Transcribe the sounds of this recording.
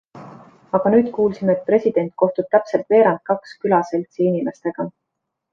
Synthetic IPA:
ɑɡ̥ɑnyːd̪̥kuːlsimeːt̪̚pre̞sʲid̪̥e̞nt̪̚ˑko̞ht̪ub̥̚t̪æpse̞lt̪ve̞ːɾɑnd̪̥̚kɑkskylɑse̞lt̪siinime̞st̪e̞ɡ̥ɑ

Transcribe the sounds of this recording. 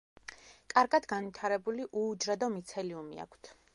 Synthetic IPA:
kʼaɾɡad̪ɡanvit̪ʰaɾɛbuliʔuːd͡ʒɾad̪ɔmit̪sʰɛliumḭa̰kʷʰt̪ʰ

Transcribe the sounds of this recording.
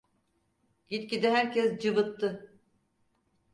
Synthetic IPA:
it̪cid̪ɛɦæɾcɛsd͡ʒɯbɯt̪ʰːɯ

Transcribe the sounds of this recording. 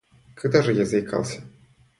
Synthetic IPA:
kad̪aʐɨjazɐjkʰa̰lˠsʲɐ̥

